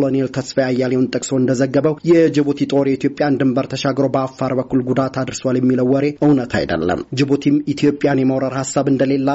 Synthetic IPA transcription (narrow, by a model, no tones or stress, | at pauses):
lonelt̪ʰəsfəjajːaljewunt̪ʼɨkʼso̞ɨnd̪əzəɡːəβəwjɛd͡ʒɪβut̪it̪ʼo̞ɾjɛit̪ʰjo̞pʼjand̪ɨmbəɾt̪ʰəʃaɡɾowbəafːaɾbəkːulɡud̪at̪ʰad̪ɨɾswaljɛmːiləwːɔɾe̞ʔɨwnət̪ʰa̰jd̪ə̰lːə̰md͡ʒɪbut̪ʰimit̪ʰijo̞pʼːjanjɛmawɾaɾhasːaβɨnd̪əle̞lːa